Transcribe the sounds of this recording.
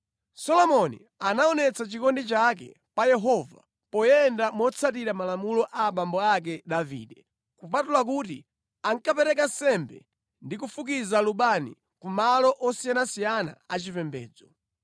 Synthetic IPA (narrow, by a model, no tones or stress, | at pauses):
sɔlɔmɔnḭ | anaɔnɛt͡sat͡ʃikɔndit͡ʃak̬ɛ̰ | pajɛɦɔva̰ | pɔjɛndamɔt͡sʰat̬iɾamalamulɔʔaːɓambɔak̬ɛɗavḭːɗɛ | kup̬atulak̬ut̬i | aŋkapɛɾɛkansɛmbɛ | ndikufukizaluɓanḭ | kumalɔʔɔsijanasijana̰at͡ʃipɛmbɛ̰ːd͡zɔ